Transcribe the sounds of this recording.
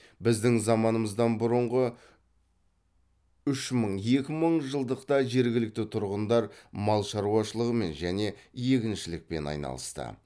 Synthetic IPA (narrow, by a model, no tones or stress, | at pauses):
bɪzd̪ɪŋzɑmɑnəməzd̪ɑnbʊɾʊɴʁə | ʏʃməɴje̞kʲɪməɴʒəlˠd̪əqt̪ɑʒe̞ɾɡʲɪlɪk̚t̪ɪt̪ʰʊɾʁənd̪ɑɾmɑlˠʃɑɾuwɑʃəlˠəʁəme̞nʒæne̞je̞kʲɪnʃɪlɪk̚pe̞̰nɑ̰jnɑ̰lˠə̰st̪ə̰